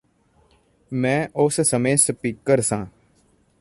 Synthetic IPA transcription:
mɛ̃ːʔʊssəmeːsəpɪkːəɾsãː

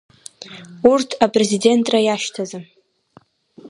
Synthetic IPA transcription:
urtʰapʼre̞zide̞ntʼrajaʃtʰaza

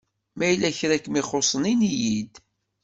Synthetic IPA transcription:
mæjlːæçɾækmiχosˤninijid̪

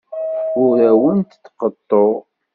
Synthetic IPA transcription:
ʊɾæwənt̪θqət̪ˤːoʁ

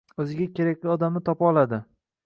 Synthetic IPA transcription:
ɵzɪɡʲakʲe̞ɾakʲlʲiɒd̪amnɪt̪ʰɒpɒlˠad̪ɪ

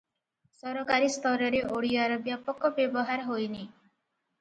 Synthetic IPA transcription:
sɔɾɔkaɾist̪ʰɔɾɔɾeʔoɽiaɾɔbjapɔkːɔbjebɔɦaɾɦojni

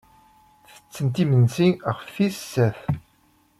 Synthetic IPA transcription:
θə̥t͡sːənt̪imənsiʁəfːissːæf

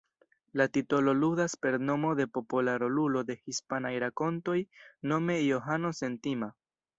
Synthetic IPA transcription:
latito̞lo̞ludaspe̞ɾno̞mo̞d̪e̞po̞polaɾolulo̞de̞hispanajɾako̞nto̞jno̞me̞jo̞ɦano̞se̞ntima

